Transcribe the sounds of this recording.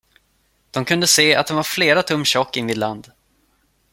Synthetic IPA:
d̪̥ɔmkʰɵnd̪əseːa̰t̪̚d̪ɛnvaɾfleːɾat̪ʰɵmːɕɔkːɪnvɪd̪land̪

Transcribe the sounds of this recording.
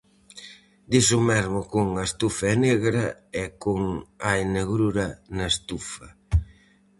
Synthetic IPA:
d̪isʊmɛɾmʊkʊŋɐest̪ufɐɛneɣɾɐɛkʊŋajneɣɾuɾɐnɐest̪ufɐ

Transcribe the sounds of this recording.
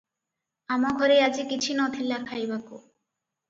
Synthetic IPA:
amaɡʱɔɾead͡ʑikit͡ɕʰinɔt̪ʰilakʰajbako

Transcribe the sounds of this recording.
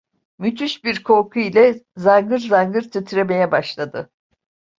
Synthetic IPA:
myt̪ʰyʃbiɾkʰo̞ɾkʰuilʲɛzaŋɡɯɾzaŋɡɯɾt̪ʰit̪ʰiɾeme̞jɛbaʃlˠad̪ɯ

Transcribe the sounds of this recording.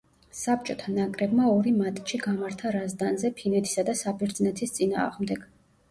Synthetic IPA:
sap̚t͡ʃʼɔt̪ʰanakʼɾɛbmaɔɾimat̪ʼt͡ʃʰiɡamaɾt̪ʰaɾazd̪anzɛpʰinɛt̪ʰi̥sad̪asabɛɾd̪znɛt̪ʰist̪sʼina̰ːʁmd̪ɛɡ̥

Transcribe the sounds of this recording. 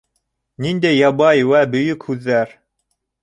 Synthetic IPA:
nind̪æjːɑbɑjwæbɵ̆jɵkhʉðːæɾ

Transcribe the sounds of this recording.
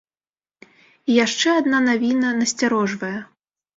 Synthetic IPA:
ijaʂt͡ʂɛad̪nanavʲinɐnɐsʲt͡sʲaɾɔʐvɐjɛ

